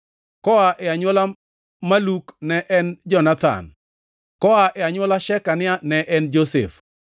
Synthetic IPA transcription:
kɔaʔɛaɲwɔla | maluknɛʔɛnd͡ʒɔnat̪a̰n | kɔaʔɛaɲwɔlaʃɛkanɪanɛʔɛnd͡ʒosḛf

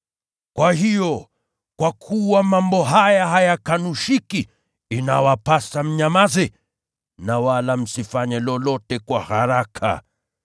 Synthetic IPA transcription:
kwahijɔ | kwakʰuwamambɔɦajaɦajakanuʃiki | inawapasam̩ɲamazɛ | nawalam̩sifaɲɛlɔlɔtɛkwahaɾakʰa̰

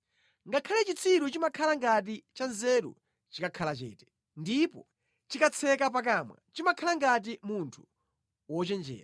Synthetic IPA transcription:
ŋɡakʰalɛt͡ʃit͡sʰiɾut͡ʃimakʰalaŋɡat̬it͡ʃanzɛɾṵ | t͡ʃikakʰalat͡ʃɛ̰ːtɛ̥ | ndipɔ | t͡ʃikat͡sʰɛkap̬ak̬aːmwa̰t͡ʃimakʰalaŋɡat̬imuntʰu̥ | wɔt͡ʃɛnd͡ʒɛ̰ːɾa

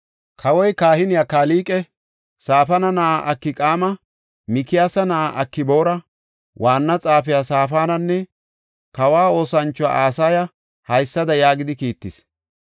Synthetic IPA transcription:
kʰɐwɔjkaːhɪnɪjakaːliːkʼɛ | saːfɐnɐnaʔɐkːɪkʼaːmɐ | mɪkɪjaːsɐnaʔɐkːɪbo̞ːɾɐ | wʔaːnːɐt͡sʼaːfɪjasaːfaːnɐnːɛ | kɐwaːo̞ːsɐnt͡ʃːɔwa̰ʔaːsaːjɐ | hɐjsːɐd̪ɐjaːɡɪd̪ɪkiːt̪ːɪs

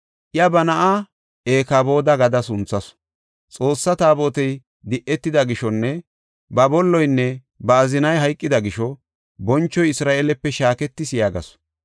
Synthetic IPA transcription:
ʔɪjɐbɐnɐʔa | eːkabo̞ːd̪ɐɡɐd̪ɐsʊnt͡sːɐs | t͡sʼo̞ːsːɐt̪aːboːt̪ɛj | d̪ɪʔɛt̪ːɪd̪ɐɡɪʃɔnːɛ | bɐbɔlːɔjnːɛ | bɐːzɪnɐjɦɐjkʼːɪd̪ɐɡɪʃɔ | bɔnt͡ʃːɔjɪsɾaːʔeːlɛpːɛʃaːkɛt̪ːɪsɪjaːɡɐ̰s

